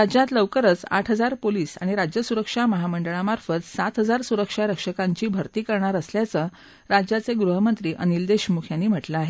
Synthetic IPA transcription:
ɾad͡ʑjat̪ləʋkəɾət͡sa̰ʈʰɦəd͡zaɾpoliːsa̰ɽ̃iɾad͡ʑjəsuɾəkʂaməɦaməɳɖəɭamaɾfət͡ssat̪ɦəd͡zaɾsuɾəkʂaɾəkʂəkaɲt͡ɕiːbʱəɾt̪iːkəɾɳaɾəsljat͡sə | ɾad͡ʑjat͡seɡɾuɦəmənt̪ɾiːʔənild̪eɕmukʰjanːiːm̤əʈlaaɦe

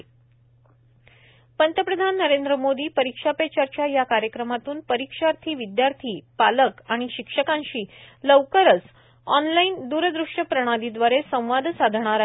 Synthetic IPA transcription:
pənt̪əpɾəd̪ʱanːəɾend̪ɾəmod̪iːpəɾikʂapet͡ɕaɾt͡ɕjajakaɾjəkɾəmat̪uːnpəɾikʂaɾt̪ʰiːʋid̪jaɾt̪ʰiːpaləkaɽ̃iɕikʂəkãnɕiːləʋkəɾət͡s | ɔnlaind̪uɾəd̪ɾuʂʈəpɾəɽ̃ad̪id̪ʋaɾesə̃w̃ʋad̪ʱsad̪ʱɽ̃aɾ

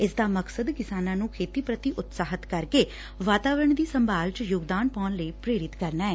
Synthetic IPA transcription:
ɪsd̪aːməksəd̪kɪsaːnãːnũːkʰeːt̪iːpɾət̪iːʔʊt̪saːɦət̪kəɾkeː | ʋaːt̪aːʋɾəɳd̪iːsəmbʱaːlt͡ʃjʊɡd̪aːnpɔːnləiːpɾeːɾɪt̪kəɾnaːɛː

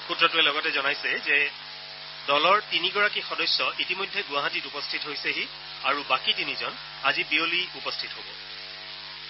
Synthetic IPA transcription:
xutɹɔtʊɛlɔɡɔtɛzɔnajsɛzɛ | dɔlɔɹtiniɡɔɹakixɔdɔjsjɔʔitimojdʱːɛɡʊwaɦatitupɔstʰitɦojseɦi | aɹubakitinizɔn | azibioliupɔstʰitɦobɔ

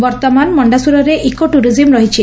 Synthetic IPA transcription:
bɔɾt̪ɔmanmɔɳɖasuɾɔɾeʔikoʈuɾizimɾɔɦit͡ʃʰi

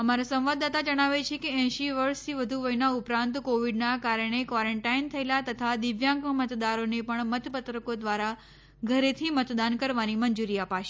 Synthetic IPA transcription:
əmaɾasə̃mʋad̪at̪ad͡ʒəɽ̃aʋet͡ʃʰekeɛ̃ʃiʋəɾst̪ʰiʋəd̪ʱuʋəinaʊpɾãnt̪koʋiɖnakaɾəɽ̃ekʋaɾəɳʈaint̪ʰəelat̪ət̪ʰad̪ɪʋjãŋkmət̪d̪aɾonepəɳmət̪pət̪ɾəkod̪ʋaɾa | ɡʱəɾet̪ʰimət̪d̪ankəɾʋanimənd͡ʒuɾiapaʃe

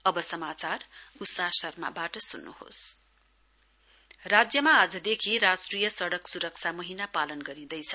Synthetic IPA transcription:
ʌbʌsʌmat͡sarusasʌrma̰baʈʌsunːṵho̰s | rad͡zjʌmaːd͡zʌd̪ekʰiɾasʈrijʌsʌɽʌksuɾʌk̚t͡sʰamʌɦinapalʌnɡʌɾid̪ʌjt͡sʰʌ

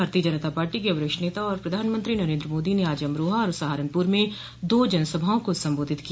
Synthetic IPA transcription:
aːɾt̪iːəd͡ʒənət̪apaːɾʈikeɐʋɾɪkʃneːt̪aɔːɾpɾɐd̪ʱaːnmə̃nt̪ɾinɐɾẽːnd̪ɾəmoːd̪ineaːd͡ʒəmɾoːɦaɔːɾʊsaːɦaːɾənpuɾmẽ | d̪oːd͡ʒɐnsəbʱaõkosɐ̃mboːd̪ʱɪt̪ki

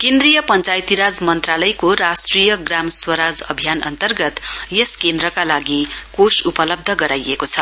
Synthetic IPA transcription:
kend̪rijʌpʌnt͡sajt̪iɾad͡zmʌnt̪ralʌjkorasʈrijʌɡramswʌɾad͡zʌ̰bʱijanʌ̰nt̪ʌrɡʌt̪jeskend̪rʌkalaɡikosupʌlʌb̚d̪ʱʌɡʌɾajekot͡sʰʌ

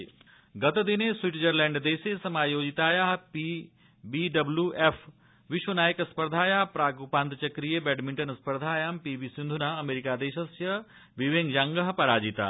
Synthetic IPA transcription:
ɡɐt̪d̪ineswiʈd͡ʑɐɾlɛ̃ːɳɖd̪eːsesɐmaːjoːd͡ʑit̪aːjaːɦpi | biːɖɐbljuʔefʰ | ʋiʃwɐnaːjəkɐspɐɾd̪ʱaːjaːɦpɾaːɡupaːnt̪t͡ʃɐkɾijebɛːɖmĩɳʈɐnɐspɐɾd̪ʱaːjaːmpiːbisĩnd̪ʱunaːɐmeːɾikaːd̪eːʃɐsjɐ | ʋiʋeːŋd͡ʒaːŋɡəɦpɐɾaːd͡ʒit̪a̰ː

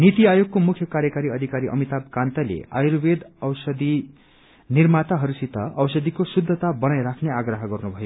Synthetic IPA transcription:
nit̪iajoɡ̚komukʰjʌkaɾjʌkaɾiʌd̪ʱikaɾiʔʌ̰mit̪abkant̪ʌlḛa̰jɾbed̪ʌwsʌd̪i | nirmat̪aɦʌɾusit̪ʌʌwsʌd̪ikosud̪ʱːʌt̪abʌnajɾakʰneaɡrʌɦʌɡʌrnubʱʌjo

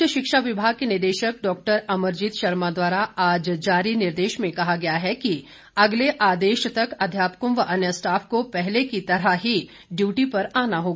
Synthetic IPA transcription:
jəʃɪkʃaʋɪbʱaːɡ̚kenɪɾd̪eːʃək̚ɖɔːk̚ʈəɾɐməɾd͡ʒit̪ʃɐɾmad̪waːɾaaːd͡ʒd͡ʒaːɾinɪɾd̪eːʃmẽkɐɦaɡɐjaɦɛki | ɐɡleʔaːd̪eːʃt̪ɐkɐd̪ʱjaːpəkʊ̃mʋɐʔɐnjəsʈaːfʰkopɛɦlekit̪ɐɾaɦi | ɖjuːʈipɐɾaːnaɦoːɡa

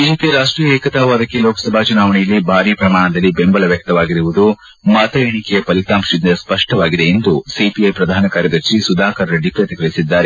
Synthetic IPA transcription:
biːd͡ʒeːpijɐɾaːʂʈɾiːjɐeːkɐt̪aːʋaːd̪ɐkːelɔːkɐ̥sɐbʱaːt͡ʃunaːʋɐɳijɐlːibʱaːɾipɾɐmaːɳɐd̪ɐlːibembɐlɐʋjɐk̚t̪ɐʋaːɡiɾiʋud̪u | maːt̪ɐeɳikɛjɐpɐlit̪aːmʂid̪ɐspɐʂʈɐʋaːɡid̪e̞ːnd̪usipiɐjpɾɐd̪ʱaːnɐkaːɾjɐd̪ɐɾʃisud̪ʱaːkɐɾɾeɖipɾɐt̪ikɐɭisid̪ːaːɾe

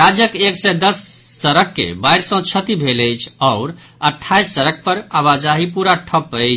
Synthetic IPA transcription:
ɾad͡ʒjəkeksɛd̪əsːəɾəkːḛbajɾsə̃t͡ʃʰət̪ibʱeləjt͡ʃʰɔʊɾ | əʈʰːajsːəɾək̚pəɾaβad͡ʒaɦipuɾaʈʰəpə

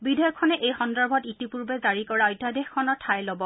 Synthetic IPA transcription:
bidʱɔjɔkʰːɔnɛʔejxɔndɔɹbʱɔtitipuɹbɛzaɹikɔɹaɔjtadexkʰːɔnɔtʰːajlobɔ

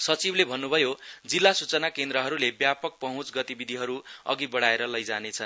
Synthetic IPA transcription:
sʌt͡siblebʱʌnːubʱʌjod͡zilːasut͡sʌnakend̪ɾʌɦʌɾulebjapʌk̚pʌɦũt͡sɡʌt̪ibid̪ʱiɦʌɾuʌ̰ɡibʌɽ̤aeɾʌlʌjd͡zanet͡sʰʌn

